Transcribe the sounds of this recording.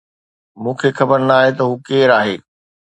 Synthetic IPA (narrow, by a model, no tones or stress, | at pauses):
mũːkʰexɐbəɾnaːɦet̪̬ɐɦuːkeːɾaːɦeː